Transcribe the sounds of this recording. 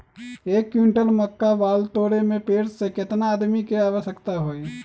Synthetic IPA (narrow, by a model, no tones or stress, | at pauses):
eːkːjũɳʈəlməkːaʋaːlt̪oːɽemẽpeːɽsekɪt̪naːd̪mikeaːʋəʃəkt̪aɦoːi